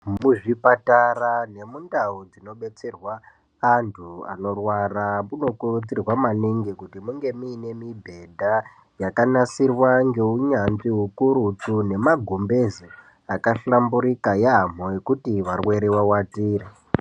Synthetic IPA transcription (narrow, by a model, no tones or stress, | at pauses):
muʐipatarane̞mundaud͡zino̞ɓe̞t͡se̞rwaː | ntʰua̰no̞rwaramuno̞kurut͡sirwamaneŋɡekutimuŋɡe̞muːne̞mibʱe̞dʱa | jakanasirwaŋɡe̞uɲanʐiɦukuɾut͡sune̞maɡʱumbe̞zo | akaɬambuɾikajeɦam̤o̞je̞kutiʋarwe̞ɾewawatiːra